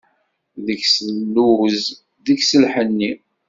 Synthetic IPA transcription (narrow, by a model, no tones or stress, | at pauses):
ðəçsəlːuz | ðəksəlħənːi